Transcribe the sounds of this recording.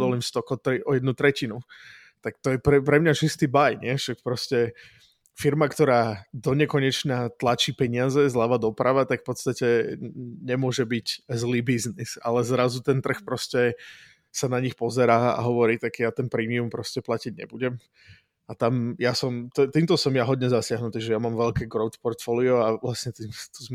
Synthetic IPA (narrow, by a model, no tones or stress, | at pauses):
d̪ɔlimst̪ɔkɔt̪ɾiʔɔjɛd̪nut̪ɾɛcinu | t̪akt̪ɔjɛpɾɛpɾɛmɲat͡ʃist̪iːbajɲɪɛʃak̚pɾɔscɛ | fiɾmakt̪ɔɾaːd̪ɔɲɛkɔɲɛt͡ʃɲat̪lat͡ʃiːpɛɲɪazɛzlaʋad̪ɔpɾʔaʋat̪akfpɔt̪st̪acɛ | ɲɛmʊɔʒɛbiɟzliːbiznisa̰lɛzɾazut̪ɛnt̪r̩xpɾɔscɛ | sanaɲixpɔzɛɾaːa̰ɦɔʋɔɾiːt̪aɡjat̪ɛnpɾiːmiumpɾɔscɛplaciɟɲɛ̰buɟɛm | at̪amjasɔmt̪ɔɛt̪iːmt̪ɔsɔmjaɦɔd̪ɲɛzasɪaɦnut̪iːʒɛjamaːmʋɛʎkɛːɡɾɔʊt̪pɔɾt̪fɔːliɔaʋlasɲɛt̪iːmst̪uz